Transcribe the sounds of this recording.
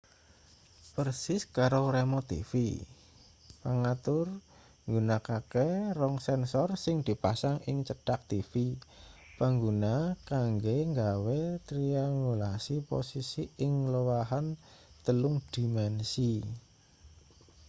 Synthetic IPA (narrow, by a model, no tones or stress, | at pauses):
pərsɪskaɾoremot̪ḭfḭ | paŋat̪ʊr | ŋɡunakakerɔŋsɛnsɔrsɪŋd̪̥i̤pasaŋɪŋt͡ʃəɖ̥ak̚t̪ifipaŋɡunakaŋɡeŋɡawet̪ɾiaŋɡulasipo̰sisiɪŋləwaɦant̪əlʊŋd̪̥i̤mɛnsi